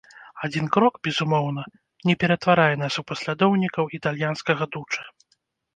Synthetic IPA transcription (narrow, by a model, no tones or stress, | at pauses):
ad͡zʲinkɾɔkbʲɛzumɔwn̪ɐ | nʲɛpʲɛɾɐt̪vaɾajɛnasupɐsʲlʲad̪ɔwnʲikɐwit̪alʲjanskɐɣɐd̪ut͡ʂɐ̥